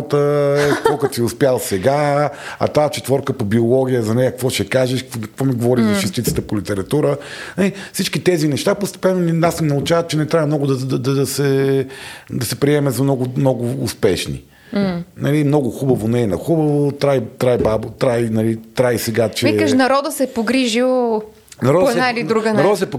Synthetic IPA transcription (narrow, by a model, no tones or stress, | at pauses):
t̪əkɔkət̪iʊspʲjalˠsɛɡaɐ̰t̪aɛt͡ʃɛt̪vɔɾkəpobiolˠɔɡʲijəzɐnɛjəkkvɔʃɛkaʒɛʃkkvɔmiɡovɔɾizɐt͡ʃɛst̪it̪sə̥t̪əpolit̪ɛɾɐt̪uɾənɐlifsit͡ʃkit̪ɛzinɛʃt̪apost̪ɛ̥pɛnːoniasmɛnɐut͡ʃavət̪̚t͡ʃɛnɛt̪ɾʲavɐmnɔɡʊd̪ɐd̪ɐd̪ɐd̪ɐsɛ | d̪ɐsɛpɾiɛmɛzɐmnɔɡʊmnɔɡʊːspɛʃnḭ | nɐlimnɔɡʊxubɐvonɛnɐxubəvot̪ɾajt̪ɾajbabot̪ɾajnɐlit̪ɾaisɛɡat͡ʃɛikəʃnɐɾɔd̪əsɛpoɡɾiʒilˠ | nɐɾɔd̪sɛailid̪ɾuɡnɐɔd̪əsɛpo